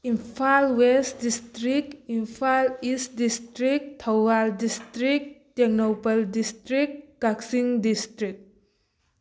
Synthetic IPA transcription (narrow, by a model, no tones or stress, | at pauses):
impʰalwestdistɾikimpʰalist̚distɾik̚tʰawaldistɾik̚teknopaldistɾik̚kaksiŋdistɾik̚